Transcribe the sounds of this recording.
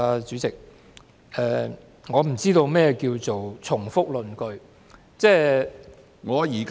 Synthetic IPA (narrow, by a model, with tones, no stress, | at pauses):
a˧t͡syː˨˥t͡sɪ˨k̚ | ɛː˨ | ŋɔː˨˧m̩˨˩t͡siː˥t̪o˧wmɛː˥ɛ˨˧kiː˧wt͡so˨wt͡sʰʊ˨˩ŋfʊ˥k̚lɵ˨nkɵ˧ɥ | t͡sɛː˥ | ŋɔː˨˧jiː˨˩k